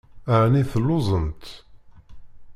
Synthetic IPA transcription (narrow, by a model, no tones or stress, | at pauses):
aʕniθəlːʊzˤənt̪